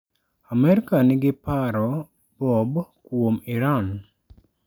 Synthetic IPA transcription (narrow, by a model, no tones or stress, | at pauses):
amɛɾɪkanɪɡɪpaɾɔ | bɔbkwomiɾan